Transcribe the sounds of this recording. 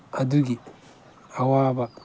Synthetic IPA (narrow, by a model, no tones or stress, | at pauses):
aduɡi | awaːba